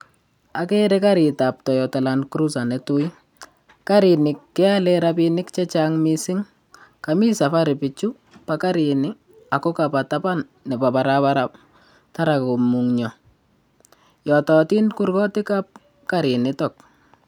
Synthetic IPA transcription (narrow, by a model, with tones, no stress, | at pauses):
a˨kɛ˦ɾɛkaɾɪ˨ta˨p̚tɔ˨jɔ˨ta˨lankɾu˦sa˨nɛtu˦j | ka˦ɾɪ˨nɪ˨kːɛ˦alɛɾapɪnɪ˦kt͡ʃɛ˦t͡ʃaŋmisɪ˦ŋ | kami˦sa˨fa˦ɾɪpɪ˨t͡ʃu˦ | paka˦ɾɪnɪ | a˨kɔ˦kapa˨tapa˦nːɛ˨pa˨pa˨ɾapaɾap̚ | ta˦ɾa˨ko˨muŋɲɔ˨ | jɔtɔti˦nkurkɔ˦tɪ˦kap̚ | kaɾɪ˨nɪtɔ˨k̚